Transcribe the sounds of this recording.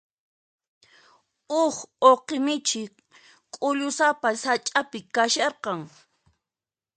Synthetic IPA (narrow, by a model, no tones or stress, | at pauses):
ʊχoqemɪt͡ʃɪ | kʼʊʎʊsapasat͡ʃʼapɪkaʃɑɾqɑŋ